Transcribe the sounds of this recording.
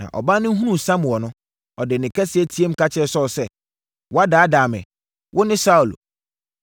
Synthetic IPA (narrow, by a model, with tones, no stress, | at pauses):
nã̰˨ʔɔ̰˨ba˦nʊ̃˦ɦũ˦nũ˦˨sã˦m˨wɔ˨nʊ̃˦ | ɔ˨dɪ˨nɪ̃˨kʰɛ˦sɪ˨ɛ˦tʰi˨˦e˦m˦kʰa˦t͡ɕʰɛ˦˨sɔ˦˨sɛ˦ | wʔɔ˦a˦daː˨˦daː˨mɛ̰̃˨ | wʔʊ˦nɪ̃˦sa˦u˨l